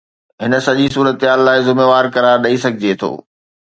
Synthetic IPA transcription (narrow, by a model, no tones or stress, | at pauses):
ɦɪnə̆sɐʄisuːɾət̪ɪɦaːlːaːɪzɪmeːʋaːɾkɐɾaːɾɗɐisɐɡʱɪd͡ʑet̪ʰo̰ː